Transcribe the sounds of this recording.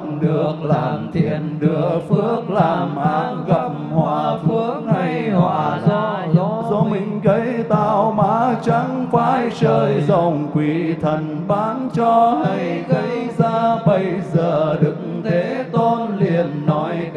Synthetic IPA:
ɗɨ˨˩əək̚laː˨˩mt̪ʰḭ˨˧˩ənɗɨ˨˩ək̚fɨ˦˧˥ək̚laː˨˩mʔaː˨˦ | ɣə˨˩p̚mhwaː˧˨˩fɨ˦˥ək̚ha˧jhwaː˧˨˩ | zɔ˨˧˦mï˨˩ŋ̟ɣə˨˦jt̪aː˧˩wmaː˧˦t͡ɕa˨˦ŋfaː˧˥˦jt͡ɕəː˧jzə˨˩wŋ͡mkwi˨˩t̪ʰə˨˩nɓaː˨˦ŋt͡ɕɔ˧hə˧˦jɣə˧˦jzaː˧ɓə˧jzəː˨˩ɗɨ˨˦k̚ŋt̪ʰe˨˦t̪o˧nli˨˩ənːɔ˨˦j

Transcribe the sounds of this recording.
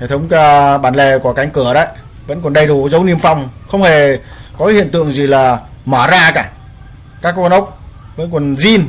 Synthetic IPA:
e˧˩t̪ʰə˨˦wŋ͡mkaː˧ɓaː˧˩nle˨˩ku˧˩əka˨˦jŋ̟kɨ˧˩əɗə̰˧˨j | və̰˧˥nkɔ˨˩nɗə˧jɗu˧˩zə˨˦wni˧əmfa˧wŋ͡mxə˧wŋ͡mhe˧˨˩ | kɔ˨˦kaː˨˦hḭ˧˨ənt̪ɨ̰˧˨əŋzi˨˩laː˨˩ | maː˧˩zaː˧kaː˧˩ | kaː˦˥k̚ːnʔə˦˥wk͡p̚ | və̰˧˥nkɔ˨˩nzi˧n

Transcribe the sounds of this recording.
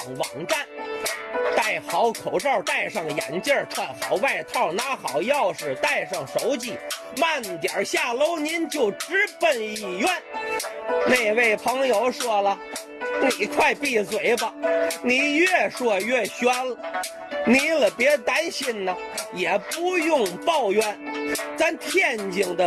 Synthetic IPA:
ŋwɑ̰˨˩ŋt̪a˥˩n | t̪a˥˩ɪxɑ˧˥ʊkʰo˨˩ʊʈ͡ʂɑ˥˧ʊt̪a˥˧ɪʂɑ˥˩ŋjɛ̰˧˥nt͡ɕjə˥˧t̪ʰa˥˩xɑ˨˩ʊwa˥˩ɪt̪ʰɑ˥˩ʊna˥xɑ˨˩˦ʊjɑ˥˧ʊʂɻ̩˨˩t̪a˥˧ɪʂɑ˥˩ŋʂo˧˥ʊt͡ɕi˧˩ | ma˥˩nt̪jɑ˨˩ɕja˥˩lo˥ʊni˧˥nt͡ɕjo˥˩ʊʈ͡ʂɻ̩˥pə˥˧ni˥˩jɛ˥˩n | ne˥˧˩ɪwe˥˩ɪpʰɤ˧˥ŋjo˧˥ʊʂwɔ˥lə˨ | ni˨˩kʰwa˥˧ɪpi˥˩swe˨˩ɪbɐ˧ni˨˩jɛ˥˧ʂwɔ˥˧ɥɛ˥˩ɕɥa˥nlə | ni˧˥lə˩pjɛ˧˥t̪a˥nɕi˥˧nnə˩jɛ˨˩pu˥jʊ˥˧ŋpɑ˥˧ʊɥɛ˥˩nt͡sa˥nt̪ʰjɛ˥˩nt͡ɕi˧˩ŋd̪ə˧

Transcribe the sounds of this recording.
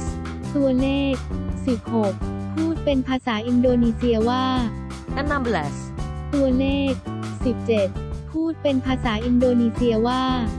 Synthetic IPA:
t̪u˧ɐleː˥˩k̚si˨˩p̚ho˨˩k̚pʰːuː˥˩t̪̚pe˧npʰaː˧saː˩˦ʔi˧ndoː˧niː˧si˧ɐwaː˥˩ | ʔa˧˥na˧blɛː˦s | t̪u˧ɐleː˥˩k̚si˨˩p̚t͡ɕe˨˩t̪̚pʰuː˥˩t̪̚pe˧npʰaː˧saː˩˦ʔi˧ndoː˧niː˧si˧ɐwaː˥˩

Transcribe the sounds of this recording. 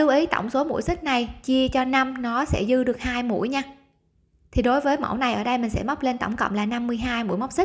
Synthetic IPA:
ɨ˧wʔi˨˦t̪ɔ̰˧˩wŋ͡mso˨˦mṵ˧˥jsï˦˥k̟̚na˨˩jt͡ɕi˧ət͡ɕɔ˧na˧mnɔ˨˦sɛ̰˧˥zɨ˧ɗɨ˨˩ək̚haː˧jmṵ˧˥əjɲaː˧ | t̪ʰi˨˩ɗo˨˦jvəː˨˦jmə̰˧˥˩wna˨˩jʔəː˧˩ɗə˧jmï˨˩ŋ̟sɛ̰˧˥ma˦˥k͡p̚le˧nt̪ə̰˧˩wŋ͡mkə̰˧˨wŋ͡mlaː˨˩na˧mːɨ˧əjɦaː˧jmṵ˧˥əjma˦˥k͡p̚si˦˥

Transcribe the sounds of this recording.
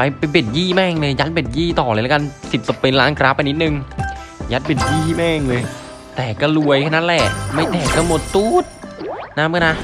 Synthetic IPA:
pa˧˩jpa˧be˨˩t̪̚jiː˥˩mɛː˥˩ŋlɤː˧ja˦˥t̪̚be˨˩t̪̚jiː˥˩t̪ɔː˨˩lɤː˧lka˧nsi˨˩p̚t̪o˧˩pe˧nlaː˦˥nkʰɾaː˦˥p̚ʔa˧jnːi˦˥t̪̚nɯ˨ŋ | jaː˦˥t̪̚be˨˩t̪̚jiː˥˩mɛː˥˩ŋlɤː˧j | t̪ɛː˨˩kɔː˥˩lu˧əjkʰa˥˩na˦˥lɛ˨˩ʔma˥˩jt̪ɛː˨˩kaː˧˥˩mo˨˧˩t̪ːuː˦˥t̪̚na˦˥mɯː˧˥˨na˦˧˥

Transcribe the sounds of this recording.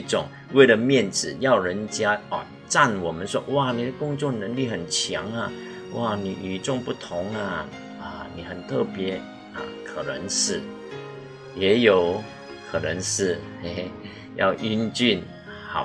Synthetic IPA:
ʈ͡ʂʊ˨˩˦ŋ | we˥˩ɪlə˨mjɛ˥˨nt͡sɻ̩˨˩jɑ˥˩ʊɻə˧˥nt͡ɕja˥ɔ˨˩ | t͡sa˥˨nwɔ˨˩mə˦nʂwɔ˦˥ʔwa˥˩ni˨˩d̪ə˦kʊ˥ŋt͡swɔ˥˩nə˧˥ŋli˥˨xə˨˩nt͡ɕʰjɑ˧˥ŋɐ˨ | wa˥˩nḭ˨˩y˨˩ʈ͡ʂʊ˥˧ŋpu˥˩t̪ʰʊ˧˥ŋɐ˨ | ə˧ni˨˩xə˨˩nt̪ʰɤ˥˩pjɛ˧˥ | ə̰˧˩kʰə˨˩nə˧˦ŋʂɻ̩˥˩ | jɛ˧˥jo˨˩ʊ | kʰə˨˩nə˧˦˥ŋʂɻ̩˥˧ | e˥˧ | jɑ̰˥˩ʊʔy˥nt͡ʃy˥˨n | hɑ̰˨˩˦

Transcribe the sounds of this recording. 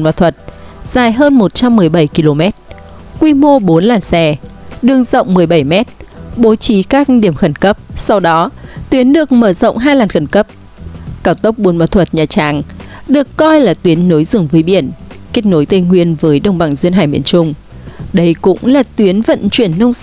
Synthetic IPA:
ma̰˨˩t̪ʰwə˨˩t̚z̥aː˨˩jɦəː˧nmo˨˩t̚t͡ɕa˧mːɨ˨˩əjɓə˧˩jki˧lo˧mɛ˦˥t̚ | kwi˧mo˧ɓo˨˦nlaː˨˩nsɛ˧˩ɗɨ˧˩əŋzə̰˧˨wŋ͡mmɨ˨˩əjɓə˧˩jmɛ˦˥t̚ɓo˨˦t͡ɕi˨˦kaː˦˥k̚ɗi˧˩əmxə˧˩nkə˦˥p̚sa˧wɗɔ˨˦t̪wi˨˦ənɗɨ˨˩ək̚məː˧˩zə̰˧˨wŋ͡mɦaː˧jlaː˨˩nxə˧˩nkə˦˥p̚ | kaː˧˩wt̪ə˦˥wk͡p̚ɓu˨˦nma̰˨˧˩t̪ʰə˨˩t̚ɲaː˨˩t͡ɕaː˨˩ŋɗɨ˨˩əkːɔ˧jlaː˨˩t̪wi˨˦ənːo˨˦jzɨ˨˧˩əŋvəː˨˦jɓḭ˧˩ənke˦˥t̚no˨˦jt̪ə˧ŋwi˧ənvəː˨˦jɗə˧wŋ͡mɓa˧˩ŋzwənɦaː˧˩jmḭ˧˩ənt͡ɕʊ˧ŋ͡m | ɗə˧jkʊ̰˧˥ŋ͡mlaː˨˩t̪wi˨˦ənvə̰˧˨nt͡ɕwi˧˩ənːə˧wŋ͡ms

